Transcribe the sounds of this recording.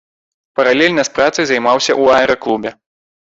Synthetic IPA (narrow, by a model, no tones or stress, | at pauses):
pɐɾalʲɛlʲnɐspɾat̪sɨjzɐjmawsʲɐʔuaɛɾɐklˠubʲɛ